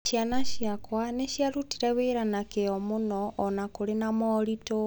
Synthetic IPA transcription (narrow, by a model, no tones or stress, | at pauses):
ʃjanaʃjakwaneʃjaɾutiɾɛβeɾanakeɔmunɔʔːnakoɾenamɔɾito